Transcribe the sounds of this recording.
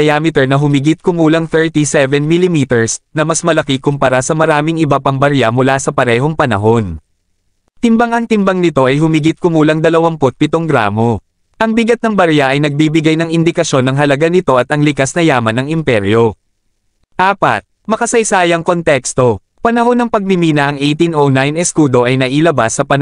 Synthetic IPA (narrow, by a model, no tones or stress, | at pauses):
ɐjaːmɪt̪ɛɹnɐɦʊmiɡɪt̪̚kʊmuːlɐŋθɛɹt̪isɛvɛnmilɪmiːt̪ɛɹsnɐmɐsmɐlɐkikʊmpɐɾasɐmɐɾaːmɪŋʔɪbɐpɐŋbɐɾjamʊlasɐpɐɾɛːɦo̞ŋpɐnɐ̰ɦo̞n | t̪ɪmbɐŋɐŋt̪ɪmbɐŋnɪt̪o̞ʔɐjɦʊmɪɡɪt̪̚kʊmuːlɐŋd̪ɐlɐwaŋpot̪̚pɪt̪oŋɡɾa̰ːmo̞ | ʔɐŋbɪɡɐt̪̚nɐŋbɐɾjaʔɐjnɐɡ̚bibɪɡajnɐŋɪnd̪ɪkɐʃo̞nːɐŋɦɐlɐɡanɪt̪o̞ʔɐt̪ɐŋlɪkasnɐjaːmɐnɐŋɪmpɛɾjo̞ | ʔaːpɐ̰t̪̚ | mɐkɐsɐjsaːjɐŋko̞nt̪ɛkst̪o̞ | pɐnɐɦo̞nːɐŋpɐɡ̚mɪmiːnɐʔɐŋʔɛjt̪inʔonajnɛskuːd̪o̞ʔɐjnɐʔilɐbasːɐpɐn